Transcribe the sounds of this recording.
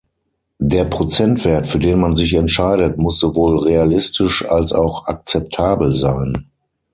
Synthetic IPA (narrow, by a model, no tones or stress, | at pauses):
deːɐpʁ̥ot͡sɛntv̥eɐtfyːɐdeːnmanzɪçɛntʃaɪɾətmʊsz̥ovoːlʁealɪstʰɪʃalsa̰ʊxak̚t͡sɛp̚tʰaːbl̩zaɪn